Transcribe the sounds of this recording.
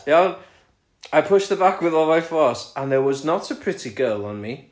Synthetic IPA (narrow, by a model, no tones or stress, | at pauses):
ja | aɪpʰʊʃðəbakʰwɪðɔvafɔɹsə̃nðəwɒznətʰəpʰɹ̥ɪtʰiɡɜːlˠə̃nmi